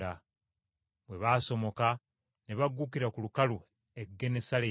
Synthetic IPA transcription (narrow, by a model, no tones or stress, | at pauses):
a | βwe̞βaːso̞mo̞ka | neβaɡːukiɾakulukalu | e̞ɡːe̞ne̞sale